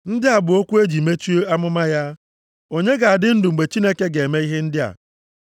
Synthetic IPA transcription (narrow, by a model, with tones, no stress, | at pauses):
n̩˦dɪ˦a˨bʊ˨o˦kʷu˦e˦d͡ʒi˨me˦t͡ʃu˦a˦mʊ˦ma˦ja˦ | o˦ɲe˦ɡa˨a˨dɪ˦n̩˦dʊ˨ŋ͡m̩˨ɡ͡be˨t͡ʃi˦ne˦ke˦ɡe˨me˦i˦ɦe˦n̩˦dɪ˦a̰˨